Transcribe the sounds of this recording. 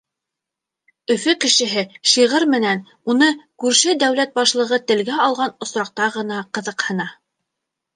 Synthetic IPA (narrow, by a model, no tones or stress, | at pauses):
ɵ̆fɵkɘ̆ʃɘ̆ɦɘʃiʁɤɾmɘ̆næn | unɤkʉɾʃɘd̪æwlæt̪̚bɑʃlˠɤ̆ʁɤt̪ɘ̆lɡæɑlˠʁɑnŏsɾɑq̚t̪ɑʁɤ̆nɑqɤ̆ðɤ̆qhɤ̆nɑ